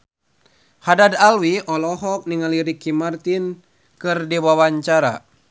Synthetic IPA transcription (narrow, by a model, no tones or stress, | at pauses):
hadad̪alwiʔɔlɔɦɔk̚niŋaliɾikimart̪in | kɨrdiwawaɲt͡ʃaɾa̰